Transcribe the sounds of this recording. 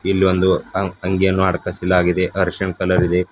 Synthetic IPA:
ilːiʋond̪uɐŋɡijɐnːuaːɽkɐsilaːɡid̪e̞ʔɐɾʂɐɳkɐlɐɾid̪e̞

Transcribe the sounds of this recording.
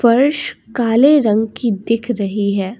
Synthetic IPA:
fɐɾʃkaːleɾɐ̃ŋɡkid̪ɪkʰɾɐɦiɦɛː

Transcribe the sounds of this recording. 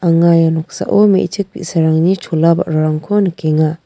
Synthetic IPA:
aŋajanɔk̚sa̰ʔomḛt͡ʃʰɯk̚bḭsaɾaŋnit͡ʃʰolaba̰ɾaɾaŋkʰɔnɐkeŋa

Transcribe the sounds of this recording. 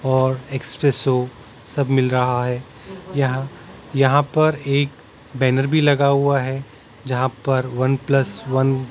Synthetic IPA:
ɔːɾeːkspɾeso | sɐbʱmɪlɾɐɦaɦɛː | jɐɦã | jɐɦãpɐɾeːk | bɛːnəɾbʱilɐɡaɦuaɦɛ | d͡ʒɐɦãpɐɾʋɐnplɐsʋɐn

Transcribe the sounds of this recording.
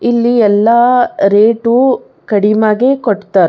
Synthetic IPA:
ilːiɛlːaɾeːʈu | kɐɽimaːɡekoʈt̪aːɾ

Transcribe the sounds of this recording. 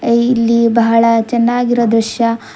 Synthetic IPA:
ilːibɐɦɐɭɐt͡ʃɛnːaːɡiɾod̪ɾuʃjɐ

